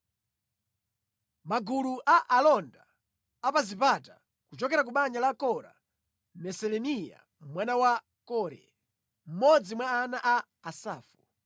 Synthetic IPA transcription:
maɡuluʔaʔalɔnda | apazipata | kut͡ʃɔkɛɾak̬uɓaɲalakɔɾa̰ | mɛsɛlɛnija̰ | mwanawa | kɔɾɛ̰ | m̩mɔd͡zimwaːnaʔaː | saːfu

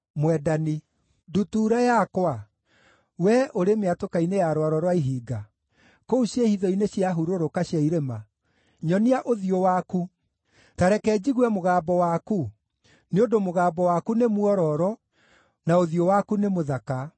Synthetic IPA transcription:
mwɛdani | dutuːɾajakwa | wɛʔoɾemeatokainejaɾwaɾɔɾwaiɦiːɡa | kouɕehiðɔineɕjaɦuɾoɾokaɕjaiɾema | ɲɔniaʔoðiowaku | taɾɛkɛd͡ʑiɣwɛmoɣaːbɔwaku | neondomoɣaːbɔwakunemwɔɾɔɾɔ | naoðiowakunemoðaka

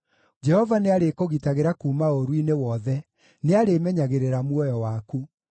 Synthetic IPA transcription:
d͡ʒɛhɔvaneaɾekoɣitaɣeɾakuːmaoɾwinewɔðɛ | neaɾemɛɲaɣeɾeɾamwɔjɔwaku

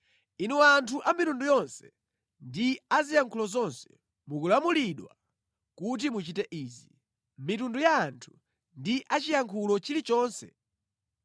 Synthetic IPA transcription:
inuantʰuʔamitundujɔnsɛ̥ | ndiazijaŋkʰulɔzɔnsɛ̥ | mukulamuliɗwa | kut̬imut͡ʃitɛʔiːzi | mitundujaːntʰu̥ | ndiʔat͡ʃijaŋkʰulɔt͡ʃilit͡ʃɔːnsɛ

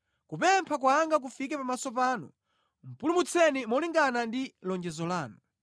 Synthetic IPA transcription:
kupɛmpʰak̬waŋɡak̬ufik̬ɛpamasɔp̬aːnṵ | m̩pulumut͡sʰɛnimɔliŋɡanandilɔnd͡ʒɛzɔlaːnu

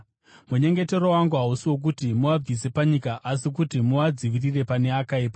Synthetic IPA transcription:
muɲe̞ŋɡe̞te̞ro̞waŋɡuɦausiwo̞k̬utimuʋab͡vise̞paɲikaʔasikutimuʋad͡ziʋirire̞pane̞akaiːpa

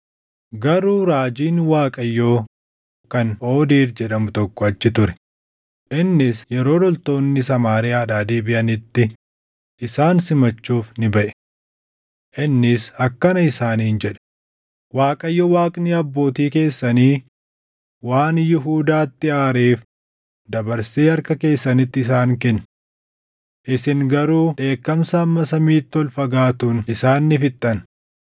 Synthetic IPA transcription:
ɡɐɾuːɾaːd͡ʒiːnwaːkʼɐjːoː | kɐno̞ːd̪iːɾd͡ʒɛᶑɐmʊt̪ɔkːɔɐt͡ʃːɪt̪ʊɾɛ̥ | ʔɪnːɪsjɛɾo̞ːlɔlt̪o̞ːnːɪsɐmaːɾɪaːᶑaːd̪eːbɪʔɐnɪt̪ːɪ | ʔɪsaːnsɪmɐt͡ʃːuːfnɪbɐʔɛ̥ | ʔɪnːɪsɐkːɐnɐɪsaːniːnd͡ʒɛᶑɐ̥ | waːkʼɐjːɔwaːkʼniɐbːo̞ːt̪iːke̞ːsːɐniː | waːnjɪɦuːd̪aːt̪ːɪaːɾeːf | d̪ɐbɐɾseːɐɾkɐke̞ːsːɐnɪt̪ːɪɪs̬aːŋkɛnː | ʔɪsɪŋɡɐɾuːᶑe̞ːkːɐmsɐːmːɐsɐmiːt̪ːɪɔlfɐɡaːt̪uːnɪsaːnːɪfɪt̪ʼːɐn

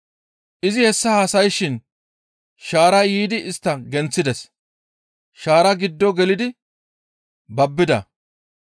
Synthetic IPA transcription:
ʔɪzɪhɛsːɐɐsɐjʃɪn | ʃaːɾɐjiːd̪ɪʔɪst̪ːɐɡɛnt͡sːɪd̪ɛs | ʃaːɾɐɡɪd̪ːɔɡɛlɪd̪ɪ | bɐbːɪd̪ɐ̰

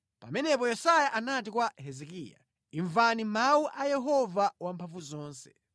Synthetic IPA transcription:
pa̰mɛnɛpɔjɛsajaʔanat̬ikwahɛzɛkḭːja̰ | iɱvanimauʔajɛɦɔvawampʰaɱvuzɔːnsɛ̥

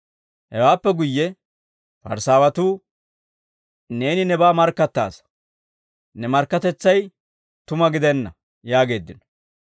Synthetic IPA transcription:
hɛwaːpːɛɡʊjːɛ | fɐ̰ɾsaːwɐt̪uː | ne̞ːnɪnɛbaːmɐɾkːɐt̪ːa̰ːs | nɛmɐɾkːɐt̪ɛt͡sːɐj | t̪ʊmɐɡɪd̪ɛnːɐ | jaːɡe̞ːd̪ːɪnɔ̥

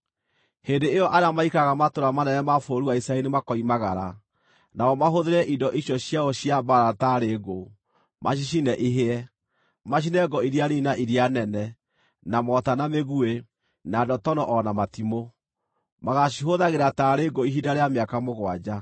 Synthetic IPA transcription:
hendeejɔʔaɾeamaikaɣamatoɾamanɛnɛmafoɾuwaisaɛnemakɔimaɣaɾa̰ | naɔmaɦoðeɾɛʔidɔʔiɕjɔɕjaɔɕiabaɾataɾeɡo | mʔa̰ɕ̬iʃ̬inɛʔiɦeɛ | maɕ̬inɛɡɔiɾiaɾinaʔiɾianɛnɛ | namɔtanameɣue | nadɔtɔnɔʔɔnamatimo | maɣaɕiɦoðaɣeɾataɾeɡoiɦidaɾeameakamoɣwad͡ʑa

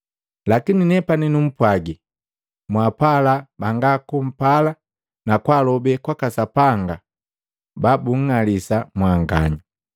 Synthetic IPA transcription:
lakininɛpaninum̩pwaɡi | mwapalabaŋɡakum̩pala | nakwalɔbɛkwakasapaŋɡa | babuŋ̩ŋalisamwaŋɡa̰ɲu

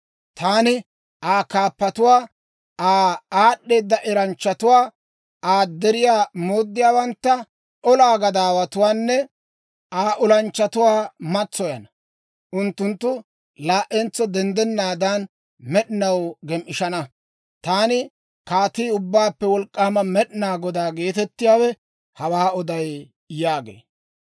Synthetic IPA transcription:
t̪aːnɪ | ʔaːkaːpːɐt̪ʊwaː | aːaːɗːeːd̪ːɐʔɛɾɐnt͡ʃːɐt̪ʊwaː | ʔaːd̪ɛɾɪjaːmoːd̪ːɪjaːwɐnt̪ːɐ | ʔɔlaːɡɐd̪aːwɐt̪ʊwaːnːɛ | aːʔʊlɐnt͡ʃːɐt̪ʊwaːmɐt͡sːɔjɐnɐ | ʔʊnt̪ːʊnt̪ːʊ | laːʔɛnt͡sːɔd̪ɛnd̪ɛnːaːd̪an | mɛɗɪnɐwɡɛmʔɪʃɐnɐ | t̪aːnɪ | kaːt̪iːʊbːaːpːɛwɔlkʼːaːmɐmɛɗɪnaːɡɔd̪aːɡe̞ːt̪ɛt̪ːɪjaːwɛ | hɐwaːɔd̪ɐj | jaːɡḛː

